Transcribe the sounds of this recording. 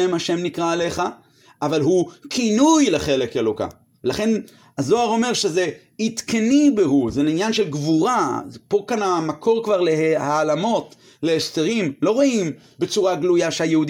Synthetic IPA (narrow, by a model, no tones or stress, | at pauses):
emhaʃe̞mnikʁaːle̞χa | ʔavalɦukʰinujleχe̞lekeloka̰ | velaχe̞n | azo̞aʁo̞me̞ʁʃe̞ze | it̪kenibeɦuzeninjanʃe̞lɡvuʁapo̞kanamakʰo̞ʁkvaʁle̞haːlamo̞t | leeʃteʁimlo̞ʁoim | be̞t͡suʁaɡlujaʃehajehud